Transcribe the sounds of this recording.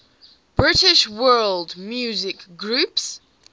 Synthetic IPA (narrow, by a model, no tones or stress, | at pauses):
b̥ɹɪtɪʃwɜːlˠdmjʉzɪkɡɹʉps